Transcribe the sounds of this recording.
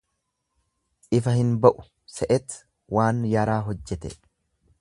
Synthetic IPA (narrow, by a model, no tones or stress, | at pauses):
ɪfɐhɪnbɐʔʊ̥ | sɛʔɛt̪ | waːnjɐɾaːɦɔd͡ʒːɛt̪ɛ